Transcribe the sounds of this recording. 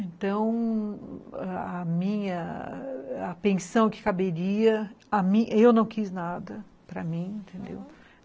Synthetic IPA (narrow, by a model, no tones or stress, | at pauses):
ẽnt̪ɐ̃w̃ | ɛɐmĩɲɐ | ɐpẽsɐ̃w̃kɪ̥kabeɾiɐamĩewnɐ̃w̃kiznad̪ɐ | pɾɐ̰mĩẽnt̪ʰẽnd̪ḛw